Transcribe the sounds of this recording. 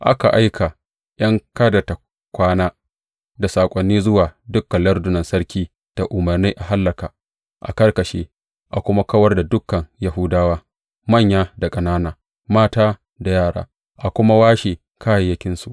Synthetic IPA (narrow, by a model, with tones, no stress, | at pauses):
ʔa̰˦ka˨ʔa˦jkʰa˨ | j̰ɐ˦ŋkaː˦dɐ˨ta˨ | kʷaː˦naː˦ | da˨saː˨kʷʼɐ˨nːiː˦zʊ˦waː˨dʊ˦kːɐ˨lɐ˦rdʊ˦nɐ˨nsɐ˦rkʲiː˦ | d̥a˨ʔʊ˨mɐ˨rniː˦ʔa˨ɦa˦lːɐ˨kaː˨ | ʔa̰˨kɐ˦rkɐ˨ʃḛː˦ | ʔa˨kʷʊ˦ma˦kɐ˦wɐ˦rda˨dʊ˦kːɐ˨ŋja˨ɦʊ˦daː˦waː˦ | mɐ˦˨ɲjaː˦da˨kʼɐ˨naː˦naː˨ | maː˦taː˦ | da˨jaː˦˨ɽa̰ː˦ | ʔa˨kʷʊ˦ma˦waː˦ʃeː˨ | kʰaː˦je˨jɐ˦kʲɪ˦nsu˨ʔ